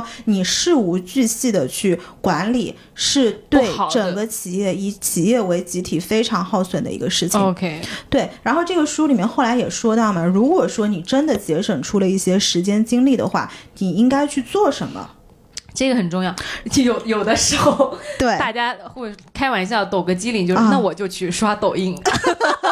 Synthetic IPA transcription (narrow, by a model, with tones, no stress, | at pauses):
ni˨˩ʂɻ̩˥˩u˧˥t͡ɕy˥˧ɕi˥˩d̪ə˩t͡ɕʰy˥˩kwa˧˥nlḭ˨˩ | ʂɻ̩˥˧t̪we˧˥˩ɪʈ͡ʂə˨˩ŋɡə˦t͡ɕʰi˨˩jɛ˥˩i˧˥˩t͡ɕʰi˨˩jɛ˥˩we˧˥ɪt͡ɕi˧˥t̪ʰi˨˩fe˥ɪʈ͡ʂʰɑ˧˥ŋxɑ˥˩ʊswə˨˩nd̪ə̰˦ḭ˧˥ɡə˧ʂɻ̩˥˩t͡ɕʰŋkʰe˥t̪we˥˩ɪɻa˧˥nxo˥˧ʊʈ͡ʂɤ˥˩ɡə˩ʂu˥li˨˩mjɛ˥nxo˥˩ʊla˧˥ɪjɛ˨˩ʂwɔ˥t̪ɑ˥˩ʊmɐ˩ɻu˧˥kwɔ˨˩ʂwɔ˥ni˨˩ʈ͡ʂə˥nd̪ə˨t͡ɕjɛ˧˥ʂwə˨˩ŋʈ͡ʂʰu˥lə˨i˥˩ɕjɛ˥ʂɻ̩˧˥t͡ɕjɛ˥nt͡ɕi˥ŋli˥˩d̪ə̰˩xwa̰˥˩ni˨˩i˥ŋka˥ɪt͡ɕʰy˥˧t͡swɔ˥˩ʂə˧˥nə̰˧ | ʈ͡ʂɤ˥˩ɡə˩xə˨˩nʈ͡ʂʊ˥˧ŋjɑ˥˩ʊ˥˩jo˨˩ʊjo˨˩ʊd̪ə˦ʂɻ̩˧˥xo˥˧ʊʊt̪we˥˩ɪt̪t͡ɕja˥xwe˥˩kʰa˥ɪwa˧˥ni˧˥ɕja˥˧˩t̪o˨˩ʊɡə˧˥t͡ɕi˥li˨˩ŋt͡ɕjo˥˧˥na˥˩wɔ˨˩t͡ɕjo˥˧ʊt͡ɕʰy˥˩ʂa˥t̪o˨˩ʊi˥˩ŋ